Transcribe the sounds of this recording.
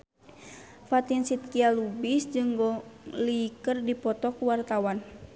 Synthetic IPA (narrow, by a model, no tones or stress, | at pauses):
fat̪insit̪̚kialubisd͡ʒɨŋɡɔlikərdipɔt̪ɔkuwart̪awan